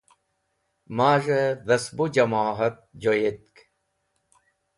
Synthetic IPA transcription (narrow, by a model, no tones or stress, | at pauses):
maːʐɐɾɐsbud͡ʑɐmaːɦɐt̪̚d͡ʑojet̪̚k